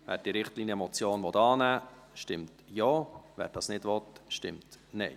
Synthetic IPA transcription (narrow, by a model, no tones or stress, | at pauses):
væ̰ːɾd̥iːɾɪχtliːnjəmɔt͡sjoːnvɔtɑːnæː | ʃtɪmtjɔːvæ̰ːɾd̥ɑsnɪdʋɔtʃtɪmtnɛɪ